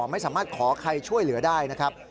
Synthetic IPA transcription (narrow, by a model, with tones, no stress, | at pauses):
ma˥˩jsaː˩˦maː˥˩t̪̚kʰɔː˩˦kʰa˧jt͡ɕʰu˥˩əjlɯ˩˦ɐdaː˥˩jna˦˥kʰɾa˦˥p̚